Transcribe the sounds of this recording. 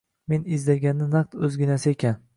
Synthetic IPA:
menɪzd̪ɪɾɡʲanːɪnaq̚t̪ɵzɡʲɪnasɪekʲan

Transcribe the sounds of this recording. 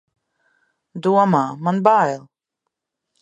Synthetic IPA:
d̪uɔmaːmanbajlˠ

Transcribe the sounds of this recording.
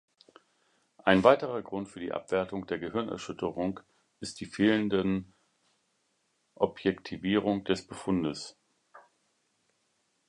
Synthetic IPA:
ʔaɪnvaɪtəʁɐɡʁʊntfyːɐdiːʔa̰pv̥ɛɐtʊŋd̥eːɐɡəhɪɐnɛ̰ɐʃʏtʰəʁʊŋ | ʔɪstd̥iːfeːləndə | ʔɔpʰjɛktʰiviːʁ̞ʊŋd̥ɛsb̥əfʊndəs

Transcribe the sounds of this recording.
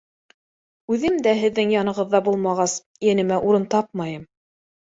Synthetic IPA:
ʉðɘmd̪æɦɘ̆ðːɘŋjɑnɤ̆ʁɤ̆ðːɑbulˠmɑʁɑs | jænɘ̆mæʔuɾɤnt̪ɑp̚mɑjɤm

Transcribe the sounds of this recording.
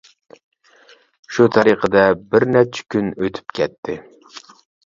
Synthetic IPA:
ʃut̪ʰɑɾiqʰɨd̪ɛbɪɾnæt͡ʃʰɛ̥kʲʰynøt̪ʰy̥pkʲɛt̪ʰːɪ

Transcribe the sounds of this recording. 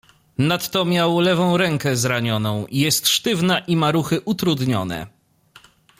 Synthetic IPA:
nat̪ːɔmʲjawlɛvɔ̃w̃ɾɛŋkɛzɾaɲɔnɔ̃w̃ijɛst̪ʂt̪ɘvnaʔimaɾuxɘʔut̪ɾud̪ɲɔ̰nɛ̰

